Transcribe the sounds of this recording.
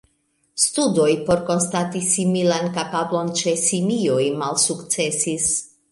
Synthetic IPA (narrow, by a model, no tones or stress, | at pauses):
studo̞jpo̞ɾko̞nstatisimilankapablo̞nt͡ʃe̞simio̞jmalsukt͡se̞sis